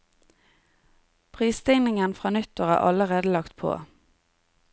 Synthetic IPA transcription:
pʰʁiːst̪ɪŋnɪŋənfʁɑːnʏt̪əʁæ̰ːʔɑ̰ləʁeːd̪əlɑkt̪pʰo̰ː

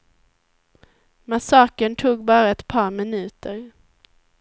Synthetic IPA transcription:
masɑːkəɳt̪ʰuːɡbɑːɾaɛt̪pʰɑːɾmɪnʉ̟ːt̪əɾ

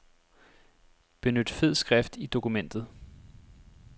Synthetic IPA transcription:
b̥e̝nød̥feð̰ˠsɡ̥ʁafd̥id̥o̝kumen̰d̥ð̩ˠ

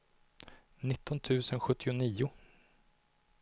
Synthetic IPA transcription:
nɪt̪ːɔnt̪ʰʉ̟ːsənɧɵt̪ːɪʊniːʊ

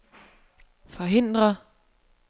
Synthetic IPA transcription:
fɒ̽ɦe̝n̰d̥ʁɐ

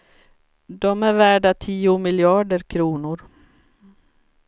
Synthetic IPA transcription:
d̪ɔmæɾvæːɖat̪ʰiːʊmɪljɑːɖəɾkʰɾuːnʊɾ

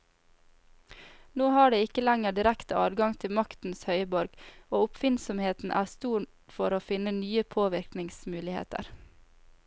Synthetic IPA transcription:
noːhɑːɖeːɪkəlæŋəɖɪɾækt̪əʔɑ̰ːʋɡɑŋt̪ʰɪmɑkt̪n̩shœʏbɔɾɡ̥oːʊpfɪnsɔmheːt̪n̩ʔæːst̪uːɳ | fɔɾoːfɪnənyːəpʰoːʋɪɾknɪŋsmʉːlɪhḛːt̪ə̰ɾ

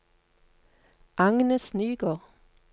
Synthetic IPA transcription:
ʔɑŋnəsnyːɡəʁ

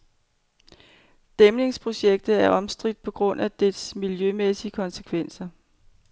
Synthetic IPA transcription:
d̥emle̝ŋspʰʁo̝ɕeɡ̥̚d̥ð̩ˠæɐʔɒ̽msd̥ʁid̥̚pʰɒ̽ɡ̥ʁɔ̽n̰æd̥esmiljømesiəkʰɒ̽nse̥kʰʋen̰sɐ

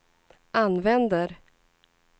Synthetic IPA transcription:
ʔanvɛnd̪əɾ

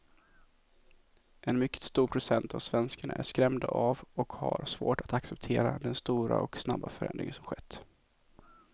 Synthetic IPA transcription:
ʔɛnmʏkːə̥t̪st̪uːɾpʰɾʊsɛnt̪ʰavsvɛnskaɳaʔæʂkɾɛmd̪avɔkhaɾʂvoːʈat̪aksɛpt̪ʰeːɾad̪ɛnst̪uːɾaʔɔksnabːafœɾɛ̰nd̪ɾɪ̰ŋənsɔmɧɛt̪ː

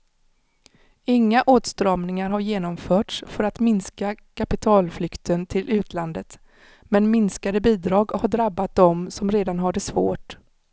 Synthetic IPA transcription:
ɪŋːaʔoːt̪st̪ɾɑːmnɪŋaɾɦaɾjeːnɔmfœːʈsfœɾat̪mɪnskakʰapɪt̪ʰɑːlflʏkt̪ʰənt̪ʰɪlʔʉ̟ːt̪ʰland̪ət̪ | mɛnmɪnskad̪əbiːd̪ɾɑːɡɔhaɖɾabːat̪̚d̪ɔmsɔmɾeːd̪anɦaɖəsvo̰ːʈ

